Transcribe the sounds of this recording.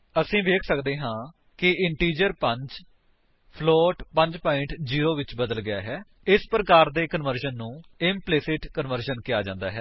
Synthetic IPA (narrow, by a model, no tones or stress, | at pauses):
əsĩːʋeːkʰsəkd̪eːɦãː | kɪɪɳʈiːd͡ʒəɾpəɲd͡ʒ | pʰloːʈpəɲd͡ʒpaːɪ̃ɳʈd͡ʒiːɾoːʋɪt͡ʃbəd̪əlɡɪja̰ːɦɛː | ɪspɾəkaːɾd̪eːkənʋəɾʃənːũːɪmpleːsɪʈkənʋəɾʃənkɪjaːd͡ʒã̰ːnd̪aːɦɛː